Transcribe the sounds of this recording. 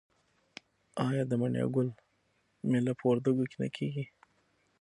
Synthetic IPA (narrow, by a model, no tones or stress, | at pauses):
ɑjɑd̪əmaɳjɑ̰ɡʊl | melapʰəwaɾd̪aɡokena̰kʰeɡi